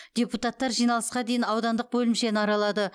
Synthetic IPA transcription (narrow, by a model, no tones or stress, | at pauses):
d̪̥ʲe̞put̪ɑt̪ːɑɾʒijnɑlˠəsqɑd̪e̞jɪnɑwd̪ɑnd̪əq̚bɵlɪmʃe̞nəɑɾɑlˠɑd̪ə